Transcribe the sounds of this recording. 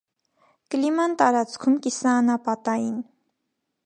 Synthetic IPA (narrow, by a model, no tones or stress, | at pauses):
kəlimɑnt̪ɑɾɑt͡skʰumkisɑːnɑpɑt̪ɑjin